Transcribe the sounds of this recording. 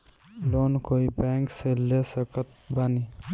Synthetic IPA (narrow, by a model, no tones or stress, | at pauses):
loːnkoːibɛŋkselesəkət̪̚bani